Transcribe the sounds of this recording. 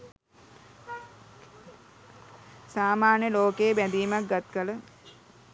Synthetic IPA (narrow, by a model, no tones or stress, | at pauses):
saːmaːnjəloːkejːbæd̪iːmak̚ɡat̪kələ